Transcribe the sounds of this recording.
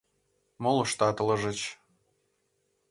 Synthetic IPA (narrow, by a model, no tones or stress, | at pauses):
molɤ̆ʃt̪ɑt̪əlɤ̆ʒə̆t͡ɕ